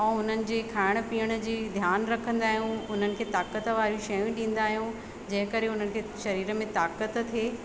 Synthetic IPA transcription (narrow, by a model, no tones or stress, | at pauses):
ɛ̃ːʊn̤ənɪ̆d͡ʑiːkʰaːɪɽ̃ə̆piːəɽ̃ə̆d͡ʑiːd̪ʱjaːnɾɐkʰə̃nd̪aːɦijũʊn̤ənɪ̆kʰeːt̪aːkət̪ʋaːɾijũʃɐjũɗĩːn̆d̪aːɦijũ | d͡ʑɐ̃ɦɪ̃kəɾeʊn̤ənɪ̆kʰeːʃɐɾiːɾəmẽt̪aːkət̪t̪ʰːeː